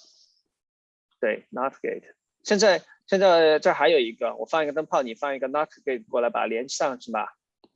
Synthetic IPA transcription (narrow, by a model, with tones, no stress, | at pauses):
t̪we˥˩ɪnɑ˥t̪ʰɡḛ˥˩tʰ | ɕjɛ˥˧nt͡sa˥˧ɪ | ɕjɛ˥˧nt͡sa˥˧ɪʈ͡ʂa˥˩xa˧˥ɪjo˨˩ʊi˧˥ɡə˧wɔ̰˨˩fɑ˥˩ŋi˥ɡə˧t̪ə˥ŋpʰɑ˥˩ʊni˨˩fɑ˥˧ŋi˧˥ɡə˧nɑ˥t̪ʰɡe˥˩ɪt̚ʰkwɔ˥˩la˧˥ɪpa̰˨˩ljɛ˧˥nʰ˥ɑ˥˧ŋʂɻ̩˥˩bɐ̰˩